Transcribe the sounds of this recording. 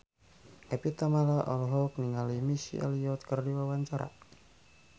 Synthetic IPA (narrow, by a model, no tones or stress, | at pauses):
ʔɛpit̪amalaʔɔ̰lɦɔk̚niŋalimisḭʔa̰liɔt̪̚kərdiwawaɲt͡ʃaɾa̰